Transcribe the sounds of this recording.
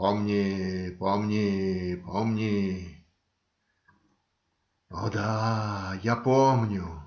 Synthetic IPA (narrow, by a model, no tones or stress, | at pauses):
pomnʲɪpomnʲɪpomnʲɪ | od̪a | japomnʲʊ